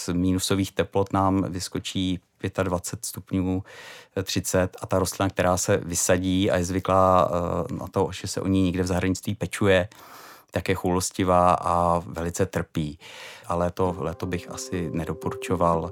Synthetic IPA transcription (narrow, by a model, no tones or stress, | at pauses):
smiːnusoviːxt̪ɛplo̞t̪naːmvɪsko̞t͡ʃiːpjɛt̪advat͡sɛt̪st̪upɲuːt̪r̥ɪt͡sɛt̪at̪aɾost̪lɪnakt̪ɛɾaːsɛvɪsaɟiːa̰jɛzvɪklaːna̰t̪oʒɛsɛ̰ʔo̰ɲiɲɛɡdɛvzaɦɾaɲɪt͡st̪viːpɛt͡ʃujɛt̪akjɛxuloscɪvaːʔavɛlɪt͡sɛt̪r̩piːʔalɛt̪olɛːt̪obɪxʔa̰sɪnɛdopoɾut͡ʃo̞val